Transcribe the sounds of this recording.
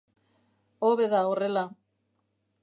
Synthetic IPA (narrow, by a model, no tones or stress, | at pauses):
oβeðaorela